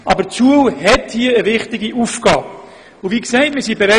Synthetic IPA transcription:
ʔɑbəɾt͡suəlhɛthiəəvɪχtɪɡiʔufɡ̥ɑːb | ʊviːksɛɪt̚mɪɾsiːbeɾɛ

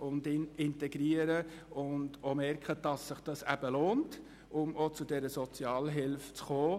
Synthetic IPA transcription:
ʊndɪnɪntɛɡɾiəɾəʊndomɛrkχəd̥ɑsːɪχd̥ɑsæb̥əloːnt | ʊmot͡sʊdɛɾəsɔt͡siɑːlɦɪlft͡sχoː

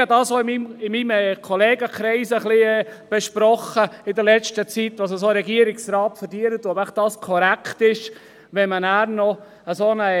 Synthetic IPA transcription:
ədɑːsoɪmimɪmimkʰɔleːɡəkɾɛɪsəχliɛb̥ɛʃpɾɔχəɪd̪əɾlɛt͡ʃtət͡sit̪ːʋɑsəs̬oːɾɛɡiəɾɪksɾɑːt̪fəɾdiːəɾət̪uɔbæχd̥ɑːskʰɔɾækʰt̪ɪʃ | ʋɛmənæːɾnɔ | əsonə

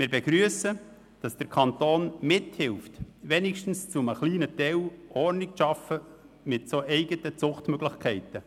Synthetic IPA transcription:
mɪːɾbɛɡ̥ɾyəsə | d̥ɑsd̥əɾkʰɑntoːnmɪthɪlftʋɛnɪkʃtn̩st͡sʊməχliːnətɛwɔrnɪkʃɑfə | mɪtsoʔɛɪɡətət͡sʊχtmœɡlɪχkʰɛɪtə

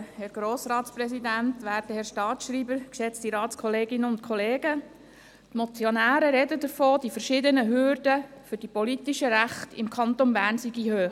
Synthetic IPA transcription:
hɛɾɡ̥ɾoːsɾɑːtsprɛsidænt̪ʋæːɾtəhɛɾʃtɑːtʃɾiːbəɾkʃɛt͡stiɾɑːtskʰɔleːɡɪnəʊntkʰɔleːɡ̥ə | t̪mɔt͡sjonæːɾəɾɛdədəɾfoːd̥ifəɾʃɪdənəɦøːrdəfʏɾd̥ipɔlit̪iʃəɾæχtɪ̰mkʰɑnt̪onbæːnsiɡihøːχ

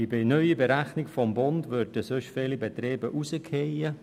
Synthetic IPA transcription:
ibɪnœʏibeɾæχnɪkfɔmbʊndʋøɾd̥əsøʃfeːlibet̪ɾeːbəʔusəkʰhejə

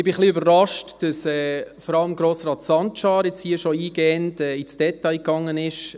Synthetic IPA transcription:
ɪb̥ɪχliøbərːɑʃtd̥ɑsɛːfɔɾɑləmɡɾoːsɾɑːtsɑntʃɑːɾjɛt͡shiːəʃɔiːɡ̥ɛːəndɛːit͡sd̥ɛtɑɪkɑŋːənɪʃ

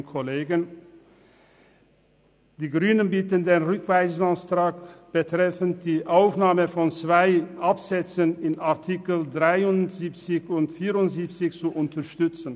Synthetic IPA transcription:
kʰɔleːɡən | d̥iːɡʁyːnənbiːtəndeːnʁʏkv̥aɪzastʁ̥aːkb̥ətʁ̥ɛfən̩t̚d̥iːʔaʊfnaːməfɔnt͡sv̥aɪʔapz̥ɛt͡sənɪnaɐtʰikl̩dʁaɪʊnz̥iːp̚t͡sɪçʊntfiːʁʊntz̥iːp̚t͡sɪçt͡suʔʊntɐʃtʏt͡sn̩

